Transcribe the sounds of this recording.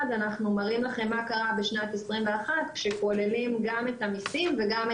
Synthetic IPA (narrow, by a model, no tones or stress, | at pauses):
danaχnumaʁimlaχe̞mːakaʁabeʃnat̪esʁimve̞aχat̪kʃekole̞limɡame̞tamisimve̞ɡam